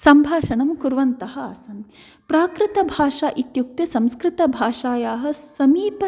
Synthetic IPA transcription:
sɐmbʱaːʃɐɳɐmkuɾʋɐnt̪ɐɦɐ̆asɐn | pɾaːkɾɪt̪ɐbʱaːʂaːʔit̪juk̚t̪ɐsɐmskɾɪt̪ɐbʱaːʂaːjaːɦɐ̆sɐmiːpɐ

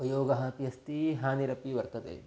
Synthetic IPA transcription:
pɐjoːɡɐɦãːpijɐst̪iɦaːniɾɐpiʋɐɾt̪ɐd̪ḛː

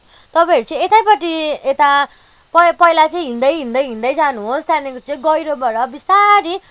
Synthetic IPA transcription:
t̪ʌpãɦʌɾit͡sʌ̃ĩet̪ajpʌʈiet̪a | pʌpʌjlat͡sʌĩɦind̪ʌjɦind̪ʌjɦĩnd̪ʌjd͡zanuɦost̪janekot͡sʌĩɡʌjɾobʌɾʌbisaɾi

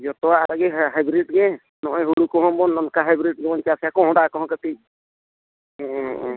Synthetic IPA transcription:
d͡ʒɔt̪ɔaɾaɡɛɦajbɾiʈ̚ɡɛ | nɔʔɔjɦuɽukɔɦɔ̃bɔnɔnkaɦajbɾiʈ̚ɡɛbɔnt͡ʃasjakɔ̃ɦɔ̃ɖakɔɦɔ̃kət̪i

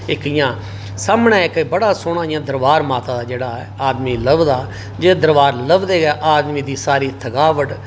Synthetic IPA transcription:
ɪkɪjãː | saːmnɛːɪkːbəɽaːsʊɽ̃ãːɪjãːd̪əɾʋaːɾmaːt̪aːd̪aːd͡ʒeːɽaːɛːaːd̪miːləbd̪aː | d͡ʒeːd̪əɾʋaːɾləbd̪eːɡaːʔaːd̪miːd̪iːsaːɾiːt̪ʰəkaːʋəʈ

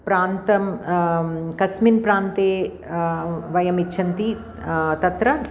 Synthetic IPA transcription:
pɾaːnt̪ɐm | kɐsminpɾaːnt̪eː | ʋɐjɐmitːʃʰɐnt̪i | t̪ɐt̪ɾɐ

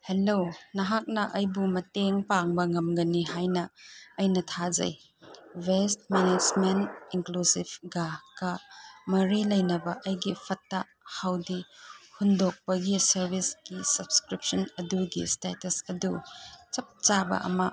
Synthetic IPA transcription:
helonɐɦak̚nɐʔɐjbumɐteŋpaŋbɐŋɐmɡɐniɦajnɐːjnɐtʰad͡ʒɐ̰j | west̚mened͡ʒmeniŋklusibɡakɐmɐɾilɐjnɐbɐʔɐjɡipʰɐtːɐ | hawdihundok̚pɐɡisɐɾbʱisɡisɐbskɾip̚sɐnɐduɡḭstetɐsɐdut͡ʃɐp̚t͡ʃabɐ̰ʔɐ̰mɐ̰

